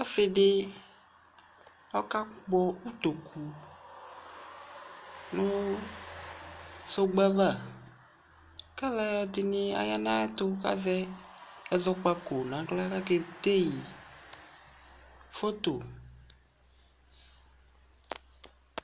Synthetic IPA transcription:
a˦sɪ˨dɪ˦ | ɔ˦ka˦k͡pɔ˦u˦t̪o˨kʰu˨ | nʊ̃˦ | so˦ɡ͡ba˦va˦˨ | ka˦la˦jɔ˦d̪ɪ˨nɪ˦a̰˨ja˦nã˦t̪ʊ˦ka̰˦zɛ˦ɛ˨zɔ˦k͡pa˨ko˨nã˨˦ɡla˦ka˦kɛ˨t̪e˦ji˨ | fo˦t̪o˨

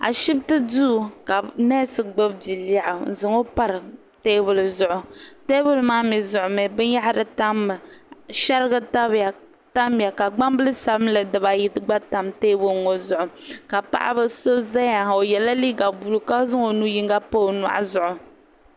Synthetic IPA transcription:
a̰˨ʃi˦btɨ˦du˦˨ka˨nɛ˦sɨ˨ɡ͡bɨ˦bdi˨la˦ʔʊ˨n̩˨zɨ˦ŋo˦pa˦ɾɨ˨ | teː˦bʊ˨lzʊ˨ʔʊ˨teː˦bʊ˦lmaː˦mi˨zʊ˨ʔʊ˨mɨ˨bɨ˦n˦ja˦ha˦ɾɨ˨ta˦mːɨ˨ʃa˦ɾɨ˦ɡɨ˦ta˦bja˨ | ta˦m˨a˨ka˨ɡ͡ba˦mbɨ˦lɨ˦sa˨bɨ˦mlɨ˨dɨ˨ba˨ji˦tɨ˦ɡ͡ba˦ta˨mteː˦bʊ˦lŋo˨zʊ˨ʔʊ˨ka˨pa̰˨ʔa̰˦bɨ˦so˦za˦ja˨o˨jɛ˨la˦li˦ɡa˨bu˨lu˦ka˦zɨ˦ŋo˨nu˦ji˦ŋɡa˦po˦˨na̰˨ʔa̰˦zʊ˨ʔʊ˨

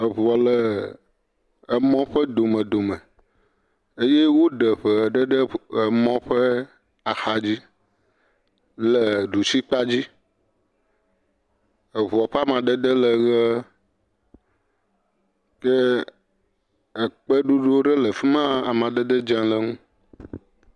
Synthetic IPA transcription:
ə˨βu˨ɔ˨lə˨ | mɔ̃˦ɸə˦d̪o˨mə̃˨d̪o˨mə̃˨ | e˦je˦wo˦ɖə˨ɸə˦˨ɖə˦ɖə˦ə˨mɔ̃˦ɸə˦ | a˨xa˨d͡ʑi˦ | lə˨ɖu˨si˦k͡pa˦d͡ʑi˦ | ə˨βu˨ɔ˨ɸe˦a˦mã˨ɖə˦d̪ə˦lə˨ɣə˦ | kɛ˦ | ə˨k͡pə˦ɖu˦ɖo˦ɖə˦lə˨fi˦mã˦a˨mã˨ɖə˦d̪ə˦d͡ʒã˦lə˨ŋũ˦

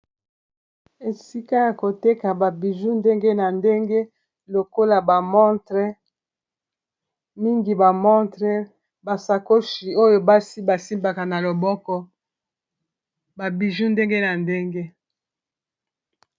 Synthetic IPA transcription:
e˨si˦ka˦ja˨ko˨te˦ka˨ba˨bi˨ʒu˦nde˦ŋɡe˦na˨nde˦ŋɡe˦ | lo˨ko˦la˨ba˨mɔ˦tʁɛ˦ | mi˦ŋɡi˨ba˨mɔ˦tʁɛ˦ | ba˨sa˨ko˦ʃi˨o˦jo˦ba˦si˦ba˨si˦mba˨ka˨na˨lo˨bɔ˦kɔ˦ | ba˨bi˨ʒu˦nde˦ŋɡe˦na˨nde˦ŋɡe˦

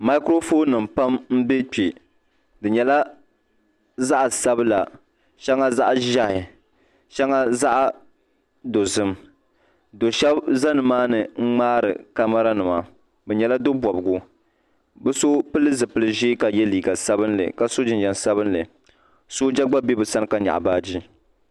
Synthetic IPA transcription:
ma˦kɾo˦foː˦nːɨ˨m̩pa˦mm̩˦be˦k͡pi˨ | dɨ˨ɲɛ˨la˦ | za˦ʔa˨sa˦bɨ˦la˨ | ʃa˦ŋa˦za˦ʔʒa˦hɪ˨ | ʃa˦ŋa˦za˦ʔ | do˨zɨ˦m | do˨ʃɛ˦bza˦nɨ˨maː˦nɨ˨ŋ͡m̩˦ŋ͡maː˦ɾɨ̰˨ka˨ma˦ɾa˦nɨ˨ma˨ | bɛ˨ɲɛ˨la˦do˦bɔ˨bɨ˨ɡʊ˦ | bɨ˦so˦pɨ˦lɨ˦zɨ˨pɨ˦lɨ˦ʒeː˦ka˨jɛ˦liː˨ɡa˨sa˦bɨ˦nlɨ̰˨ka˨so˦d͡ʒɪ˨nd͡ʒɛ˨nsa˦bɨ˦nlɨ˨ | so˦d͡ʒa˦ɡ͡ba˦be˦bɨ˨sa˦nɨ˦ka˦ɲa̰˨ʔbaː˦d͡ʒi˦

